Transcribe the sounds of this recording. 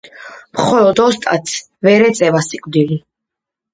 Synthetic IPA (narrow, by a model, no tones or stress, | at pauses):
mχɔlɔd̪ɔst̪ʼa̰t̪sʰ | vɛɾɛt̪sʼɛvasikʼd̪ili